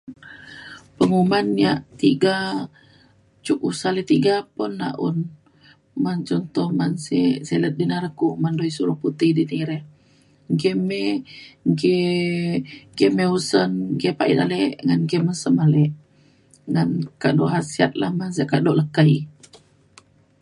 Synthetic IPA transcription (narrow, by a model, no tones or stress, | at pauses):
pəŋumanːiaʔt̪iɡa | t͡ʃuk̚usalet̪iɡapunːa̰ʔṵn | mant͡ʃɔnt̪ɔhmanseselət̪̚dinaɾəkuʔmandoisuɾuput̪ihdiniɾeh | ɡeme | ɡe | ɡemeusənɡepaʔḭt̪a̰leʔŋanɡemənsəmalɛʔ | ŋankaʔdoʔɦasia̰t̪̚lahmans̬ekaʔdoʔləkəi